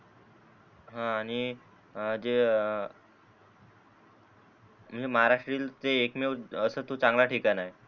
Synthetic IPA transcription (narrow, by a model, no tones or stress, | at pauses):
ɦãːɽ̃i | d͡ʑe | m̤ənd͡zeməɦaɾaʂʈɾiːlt̪eːkmeəsəːt̪ot͡sãŋɡlaʈʰiːkanaje